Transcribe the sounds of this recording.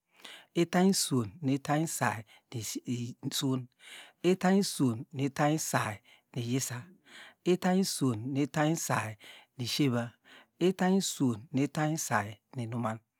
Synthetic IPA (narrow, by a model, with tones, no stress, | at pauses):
e˦ta˦i˦so˨nːi˨˦ta˦i˦sa˨i˨ | ni˨su˦ne˦ta˦i˦su˨nːi˨˦ta˦i˦sa˨i˨ | ni˨je˦sa˦ | e˦ta˦i˦so˨nːe˨˦ta˦i˦sa˨i˨ni˨ʃe˦βa˦ | e˦ta˦i˦su˨nːe˨˦ta˦i˦sa˨ji˨ni˨nu˦ma˦n